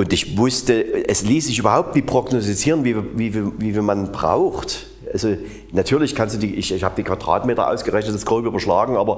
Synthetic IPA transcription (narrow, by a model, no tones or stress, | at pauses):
ʔʊntɪçvʊstəɛsliːsz̥ɪç̬ʔyːbɐɦaʊp̚tn̥iːpʁ̥oɡnɔstit͡siːʁənviːviːviviːviːmanbʁa̰ʊxt | ʔalzo | natʰyːɐlɪçkʰanstd̥uːdiːʔɪçɪçhaːbəd̥iːkv̥ad̥ʁa̰ːtmeːtɐ̰ʔa̰ʊsɡ̥əʁɛçnətasɡ̥ʁoʊpyːbɐʃlaːɡŋ̩ʔaːbɐ